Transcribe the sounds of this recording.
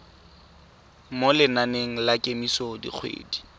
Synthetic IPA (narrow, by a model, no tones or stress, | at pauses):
molɪnaneŋ̩lakʼemisodḭk͡xʰwḛːdi̥